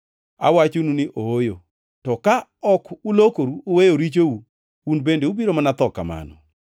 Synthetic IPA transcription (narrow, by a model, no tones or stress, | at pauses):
a̰wat͡ʃonunɪʔoojo | tɔkaɔkulokoɾuowejoɾit͡ʃou | unbendeubiɾomanat̪ɔkama̰nɔ̰